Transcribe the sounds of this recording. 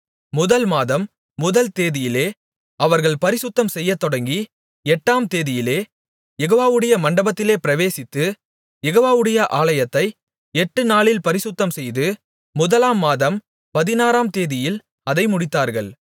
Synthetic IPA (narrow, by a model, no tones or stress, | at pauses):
mʊðɐlmaːðɐmː | ʊðɐlt̪eːðɪjɪleː | ɐʋɐɾɣɐɭpɐɾɪsʊt̪ːɐmsɛjːɐt̪ːɔɽɐŋɡi | ɛʈːaːmt̪eːðɪjɪleː | jɛɣoːʋaːʋɯɽɐjɐmɐɳɖɐbɐt̪ːɪleːpɪɾɐʋeːsɪt̪ːɯ | jɛɣoːʋaːʋɯɽɐjɐʔaːɭɐjɐt̪ːɐɪ | ɛʈːɯnaːɭɪlpɐɾɪsʊt̪ːɐmsɛjðɯ | mʊðɐlaːmːaːðɐm | pɐðɪnaːɾaːmt̪eːðɪjɪl | ɐðɐɪmʊɽɪt̪ːaːɾɣɐ̰ɭ